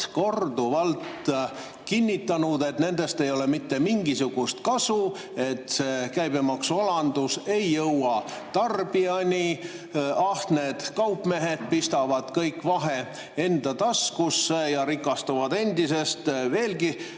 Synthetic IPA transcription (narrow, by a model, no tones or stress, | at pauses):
ko̞rd̪uvɑlt̪ | kinʲːit̪ːˑɑnud̪e̞t̪ne̞nd̪e̞st̪e̞jo̞le̞mit̪ːe̞miŋɡisuɡ̥ust̪kɑsu | e̞t̪ːˑsekæjbemɑksuɑlɑnd̪̥use̞jːɤwɑt̪ɑrb̥iɑnʲi | ɑht̪ne̞d̪̥kɑwpːmeɦe̞d̪̥̚pist̪ɑvɑd̪̥kɤjkːˑvɑɦe̞ | e̞nd̪̥ɑt̪ɑskusːejɑɾikːˑɑst̪uvɑd̪e̞nd̪ise̞st̪ve̞ːlɡi